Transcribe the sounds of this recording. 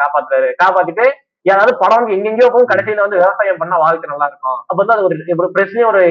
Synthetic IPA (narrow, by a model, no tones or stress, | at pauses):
kaːpaːt̪ːɯɾaːɾɯkaːpaːt̪ːɯʈːɯ | ɛːɾaːʋðɯpɐɽɐʋɐnɡ̪ɯɛŋɡɛŋɡɐjoːpːɐʊ̃kɐɽɛsːɪjlːɐʋɐnd̪ɯʋɛʋɐsaːjɐ̃mpɐɳːaːʋaːɣɪkːɐnɐlːãːɪɾɯkːʊ̃ɐpːoːɐnd̪aɐðɯkɔɾɯpːpɾɛsɪɲɐɔɾɯ